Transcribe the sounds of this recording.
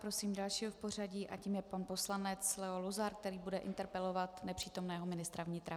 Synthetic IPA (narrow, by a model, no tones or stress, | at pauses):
pɾo̞siːmdalʃiːɦofpo̞r̝aɟiːʔaciːmjɛpanpo̞slanɛt͡slɛoluzaɾk̚t̪ɛɾiːbudɛʔɪ̰nt̪ɛɾpɛlo̞vat̪nɛpr̥iːt̪o̞mnɛːɦomɪnɪst̪ɾavɲɪt̪ɾa